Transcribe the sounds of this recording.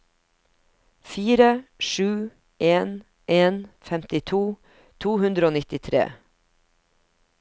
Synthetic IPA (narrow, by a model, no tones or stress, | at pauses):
fiːɾəʃʉː | ʔeːn | ʔeːnfɛmt̪ɪt̪ʰuː | t̪ʰuːhʉnd̪ɾəoːnɪt̪ɪt̪ʰɾḛː